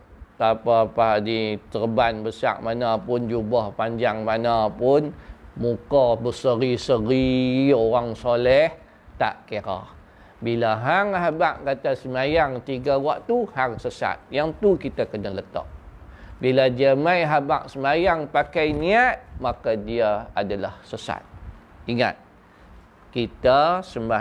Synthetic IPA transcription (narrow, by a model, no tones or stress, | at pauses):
t̪apapadit̪ərbanbəsa̰ʔ̚manapʊnd͡ʒubəhpaɲd͡ʒaŋmanapʊnmukɔbəsəɾisəɾioɾaŋsolɛh | t̪a̰ʔkeɾa̰h | bilaɦaŋɦabaʔkat̪asəmajaŋt̪iɡawaʔt̪uhaŋsəsa̰t̪̚jaŋt̪ukit̪akənalət̪ə̰ʔ̚ | biladiamajɦaba̰ʔsəmajaŋpakajniat̪̚makadiaadalahsəsa̰t̪̚ | iŋa̰t̪̚ | kit̪asəma